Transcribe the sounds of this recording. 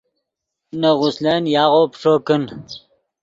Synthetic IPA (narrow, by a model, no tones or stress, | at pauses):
nɐʁusleːnjaːʁoːpʂoːkən